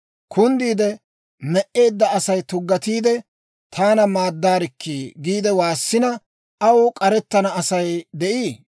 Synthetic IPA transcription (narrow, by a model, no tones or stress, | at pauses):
kʰʊnd̪iːd̪ɛ | mɛʔːe̞ːd̪ːɐɐsɐjt̪ʊɡːɐt̪iːd̪ɛ | t̪ʰaːnɐmaːd̪ːaːɾɪkːiɡiːd̪ɛwaːsːɪnɐ | ɐwkʼɐɾɛt̪ːɐnɐɐsɐjd̪ɛʔiː